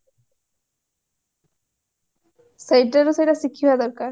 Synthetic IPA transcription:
sajʈːaɾosejɾasikʰːiɦoad̪ɔɾkaɾ

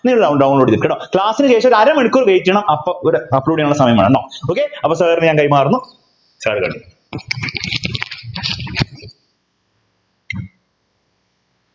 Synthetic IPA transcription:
niːɭːɐɖɐɖɐwɳloːɖid̪ikeɽoːkɭaːsinɨt͡ɕe̞ːʂɐoɾɐɾɐmeɳikʲːuːrʋeːkʲːɐɳɐmɐpːɐʔoɾuɐpːɾuːɽiauɭːɐsɐmɐjɐmaːɳɐɳɖɐːoːkːeɐpːoːsɐːrɨɲaːnkɐjmaːrunːu | saːɽɨkɐ̰ɳɖu

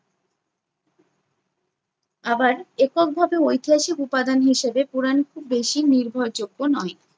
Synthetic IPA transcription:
abaɾekok̚bʱabeojt̪ʰiaʃikupad̪anɦiʃebepuɾankʰubːeʃiniɾbʱoɾd͡ʑoɡːonɔe

